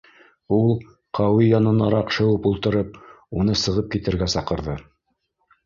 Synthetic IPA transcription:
ulˠ | qʰɑwijɑnɤ̆nɑɾɑqʃɤ̆wɤpulˠt̪ɤ̆ɾɤp̚ | unɤsɤ̆ʁɤp̚kit̪ɘ̆ɾɡæsɑqɤ̆ɾðɤ

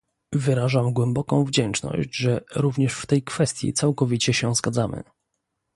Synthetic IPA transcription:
vɘɾaʐamɡwɛmbɔkɔ̃w̃vd͡ʑɛnt͡ʂnɔ̰ɕd͡ʑʐɛɾuvɲɛʂft̪ɛjkfɛst̪ʲjḭt̪sawkɔvʲit͡ɕɛɕɛzɡad̪zamɘ̰

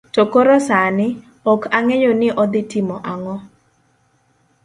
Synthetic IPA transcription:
tokoɾɔsanɪ | ɔkʰaŋejonɪʔɔd̪ɪtɪmɔʔaŋɔ

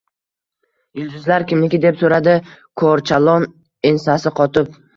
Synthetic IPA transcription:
jʊld̪ʊzlaɾkʲɪmlɪkʲɪd̪e̞psoɾad̪ɪkʰoɾt͡ʃʰalˠɒn | ensasɪqʰɒt̪ʰɪp̚

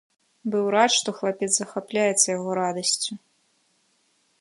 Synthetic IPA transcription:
bɨwɾatʂt̪ɔxlˠapʲɛt̪zzɐxaplʲajɛt̪sːɐjaɣɔɾad̪ɐsʲt͡sʲu

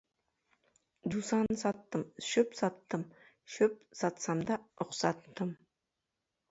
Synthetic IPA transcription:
d̪usɑnəsɑt̪ːəmʃɵpsɑt̪ːəm | ʃɵp̚sɑt̪sɑmd̪ɑɾʊqsɑt̪ːəm

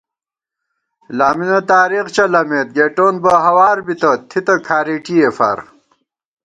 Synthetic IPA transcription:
laːminɐt̪aːɾiqt͡ɕɐlɐmeːt̪̚ɡeːʈoːnbɐɦɐwaːɾbit̪ɐt̪ʰit̪ɐkʰaːɾiːʈiefa̰ːɾ

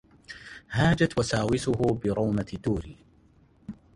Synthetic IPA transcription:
haːd͡ʒat̪wasaːwɪsʊhʊbɪɾˤɑwmat̪d̪uːɾiː

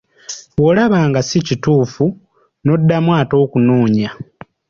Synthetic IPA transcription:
wolaβaːŋɡasicituːfu | no̞dːamwaːtoːkunuːɲa

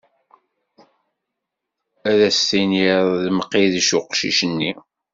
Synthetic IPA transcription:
æðæstiniɾˤðməqːiðʃʊqʃḭʃənːi

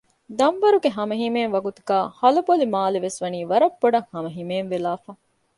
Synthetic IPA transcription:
d̪ɐmʋɐɾuɡeɦɐmɐɦimeːnʋɐɡut̪uɡaːhɐlɐbolimaːleʋesʋɐniːʋɐɾɐbːoɖɐŋhɐmɐɦimeːnʋelaːfaː

